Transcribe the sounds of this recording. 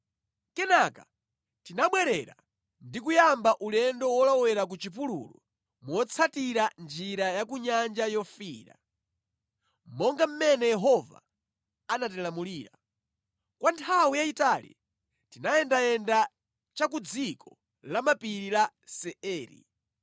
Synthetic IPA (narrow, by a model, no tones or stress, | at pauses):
kɛnaka̰ | tinaɓwɛɾɛɾa̰ | ndikujambaʔulɛndɔwɔlawɛɾak̬ut͡ʃip̬ulṵlɔ̰ | muɔt͡sʰatiɾand͡ʒiɾajak̬uɲand͡ʒajɔfiːɾa̰ | m̩mɔŋɡam̩mɛnɛjɛɦɔva̰ | anatɛlamuliːɾa̰ | kwantʰawijaitalḭ | tinajɛndajɛnda | t͡ʃakud͡zikʰɔ | lamapiɾila | sɛɛːɾḭ